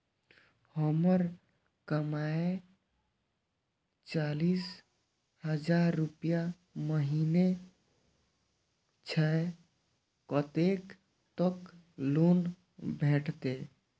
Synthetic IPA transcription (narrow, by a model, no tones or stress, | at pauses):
həməɾ | kəmae | t͡ʃalis | ɦəd͡ʒaɾːupija | məɦine | t͡ʃʰɛ | kət̪ek | t̪əklun | bʱeʈʰt̪e